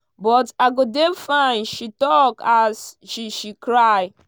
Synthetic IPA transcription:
bɔtaɡodefãɪ̃nʃitɔkasʃiʃikɾaɪ

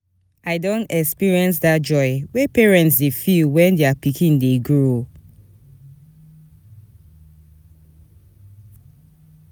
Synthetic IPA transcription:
aɪdõntɛkspiɹiɛ̃ns̬dat̚d͡ʒɔɪwepɛɹɛ̃ntsdefilwɛ̃ndeapikĩndeɡɹo

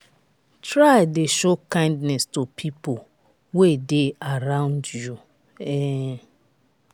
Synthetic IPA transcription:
tɹaɪdeʃokãɪ̃ndnɛstopʰipo | wedeaɾãʊ̃ndju | ɛ

